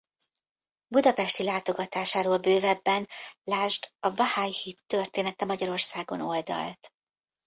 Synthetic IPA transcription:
bud̪ɒpɛʃt̪ilaːt̪o̞ɡɒt̪aːʃaːɾoːlbøːvɛbːɛnlaːʒd̪ɒbɒhaːjhit̪ːø̞rt̪eːnɛt̪ɛmɒɟɒɾo̞rsaːɡo̞̰no̞ld̪ɒ̰lt̪

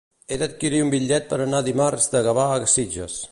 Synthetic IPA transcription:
ed̪ət̪̚kiɾiumbiʎɛt̪̚pəɾanaðimarzd̪əɣəβaːɣəsid͡ʒə̰s

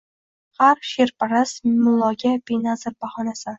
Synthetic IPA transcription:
haɾʃeɾpʰaɾasmʊlˠːɒɡʲabejnazɪɾbahɒnasɪ

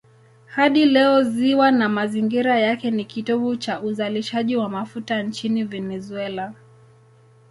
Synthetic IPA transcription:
haɗilɛɔziwanamaziŋɡiɾajakɛnikitɔɓut͡ʃauzaliʃaʄiwamafutant͡ʃinivɛnɛzuɛla

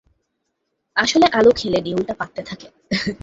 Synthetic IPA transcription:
aʃoleʔalokʰeleɖiunʈapat̪ːet̪ʰake

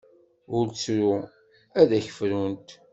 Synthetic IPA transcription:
ʊɾt͡sɾu | æðæçə̥fɾunt̪

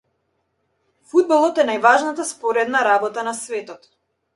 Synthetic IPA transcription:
fud̪̚balˠɔt̪ɛnajvaʒnat̪aspɔɾɛd̪naɾabɔt̪anasvɛt̪ɔt̪

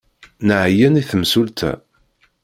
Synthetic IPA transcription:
nəʕjæniθəmsult̪ʰæ̰

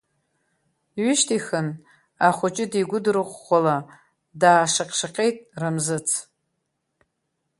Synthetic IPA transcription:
ɥʏʃtʰixɨn | aχʷʊt͡ʃʼɪdiɡʷʊdɾɨχʷːala | daːʂaqʲʼʂaqʲʼe̞jtʼramzɨt͡sʰ

